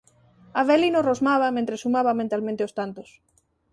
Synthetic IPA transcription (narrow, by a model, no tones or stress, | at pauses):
aβelinorozmaβamẽnt̪ɾesumaβamẽnt̪almẽnt̪eost̪ant̪os